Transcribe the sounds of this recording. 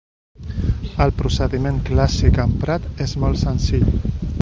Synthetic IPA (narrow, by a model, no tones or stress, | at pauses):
əlpɾusəðimẽŋklasikəmpɾat̪ezmɔlˠt̪sənsiʎ